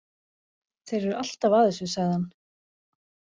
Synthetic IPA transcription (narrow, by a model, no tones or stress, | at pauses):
θejɾvɛɾal̥t̪avaːðɛsʏsaɣðhan